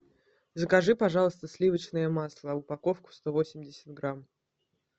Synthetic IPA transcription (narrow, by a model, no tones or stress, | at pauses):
zəkɐʐɨpɐʐɑlˠəst̪əsʲlʲivət͡ɕnəjəmɑslˠəʊpɐko̞fkʊ̥st̪o̞vo̞sʲɪmʲdʲɪsʲə̥d̪̚ɡɾam